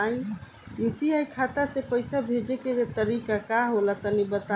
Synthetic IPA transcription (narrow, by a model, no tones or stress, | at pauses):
j | jut̪iajkʰat̪asepəjsabʱed͡ʒeket̪əɾikakaɦolat̪ənibət̪a